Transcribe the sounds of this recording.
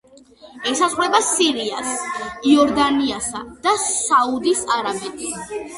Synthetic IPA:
ɛsazʁwɛbasiɾiasiɔɾd̪aniasa̰d̪̥asaud̪isaɾabɛt̪ʰʼi

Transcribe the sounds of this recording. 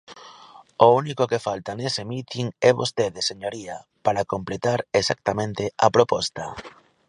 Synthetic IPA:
ounikokefalt̪anesemit̪iŋɛβost̪eðeseɲoɾiapaɾakomplet̪aɾesak̚t̪amẽnt̪ɪapɾopɔst̪ɐ

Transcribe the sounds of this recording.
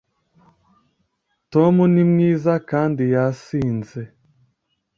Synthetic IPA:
tomunimɲiːzakaːndijasiːnzɛ

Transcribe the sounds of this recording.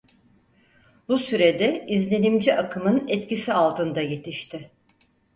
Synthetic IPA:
busyɾed̪ɛizlʲe̞nimd͡ʒiʔakʰɯmɯnɛt̪cisialˠt̪ʰɯnd̪aje̞t̪ʰiʃt̪ʰɪ

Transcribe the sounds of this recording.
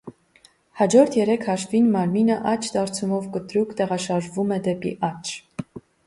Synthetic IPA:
hɑd͡ʒɔɾt̪ʰjɛɾɛkʰhɑʃvinmɑɾminəʔɑt͡ʃʰd̪ɑɾt͡sʰumɔvkət̪ɾukt̪ɛʁɑʃɑɾʒvumɛd̪ɛpḭʔɑt͡ʃʰ

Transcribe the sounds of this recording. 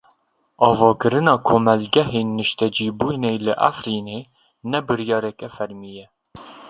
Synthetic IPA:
ɑːvɑːkɨɾɨnɑkʰomɛlɡʲɛɦenːɨʃt̪ɛd͡ʒiːbujnejlɨʔæ̰fɾine | nɛbɨɾjɑɾɛkʲɛfɛɾmijɛ

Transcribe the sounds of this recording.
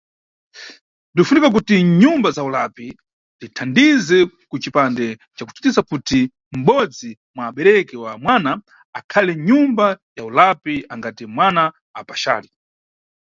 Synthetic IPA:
ndifunikak̬utiɲumbazaulapi | nditʰandizɛ | kut͡ʃipandɛ | t͡ʃaku̥ti̥tisakuti | m̩ɓɔd͡zi | mwaːɓɛɾɛkɛwamwana | akʰalɛɲumbajaulapiaŋɡatimwana | apaʃa̰ːli

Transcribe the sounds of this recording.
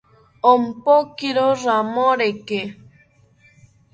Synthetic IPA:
ɔm̩pokiɾoɾamɔɾeke

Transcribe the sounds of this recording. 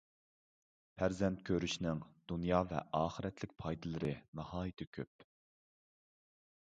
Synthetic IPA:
pʰæɾzɛnt̪̚kʲʰøɾyʃnɪŋd̪̥unjɑːvɛ̰ʔɑːχɨɾɛt̪ʰlɪk̚ʲpʰɑjd̪ɨlˠɨɾɨnɑhɑːjit̪ʰɪkʲʰøp̚

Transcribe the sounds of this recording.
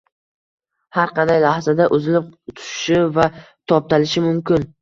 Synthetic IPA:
haɾqʰɑnd̪ajlahzad̪aʔʊzɪlɪp̚t̪ʰʊ̥ʃɪ̥ʃɪva | t̪ʰɒp̚t̪ʰalɪʃɪmʊmkʲɪn

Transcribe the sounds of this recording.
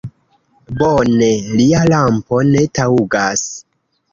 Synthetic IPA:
bone̞lialampo̞ne̞tauɡas

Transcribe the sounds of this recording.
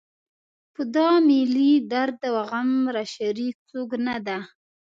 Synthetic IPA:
pəd̪ɑmilid̪aɾd̪̚ːəwaɣamɾaʃaɾik̚t͡soɡnad̪a

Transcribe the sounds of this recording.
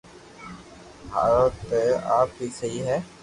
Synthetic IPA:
ɦa̰ːɾot̪eːaːpɦiːsəɦiːɦɛː

